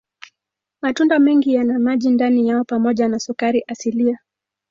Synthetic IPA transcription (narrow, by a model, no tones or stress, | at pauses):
matundamɛŋɡijanamaʄindanijaɔpamɔʄanasukaɾiʔasilia